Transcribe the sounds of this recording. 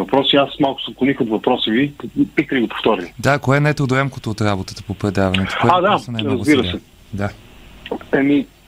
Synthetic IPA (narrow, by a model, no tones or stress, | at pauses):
vɐpɾɔsiasmalˠkʊ̥sop̚klˠonixot̪vɐpɾɔsivipikəliɡopo̥ft̪ɔɾʲid̪akoɛnɛt̪ɾod̪oɛmkot̪oːt̪ɾabot̪ət̪ə̥popɾɛd̪avɐnɛt̪o̥koɛad̪anajmɾɐzɡbiɾəsɛ | d̪a | ɛmi